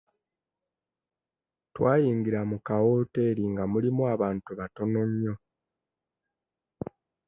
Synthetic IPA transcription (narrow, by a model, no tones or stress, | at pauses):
twaːjiːŋɡiɾamukawoːteɾiŋɡamulimuaβaːntuβato̞no̞ɲːo̞